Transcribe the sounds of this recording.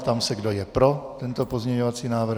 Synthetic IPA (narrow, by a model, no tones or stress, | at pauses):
t̪amsɛɡdojɛpɾo̞t̪ɛnt̪opozmɲɛɲovat͡siːnaːvɾ̩